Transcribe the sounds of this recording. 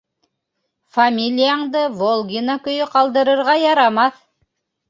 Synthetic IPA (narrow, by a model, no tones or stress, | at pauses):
famʲilʲijaɴd̪ɤvolˠɡʲinakɵ̆jɵqɑlˠd̪ɤ̆ɾɤ̆ɾʁɑjɑɾɑmɑθ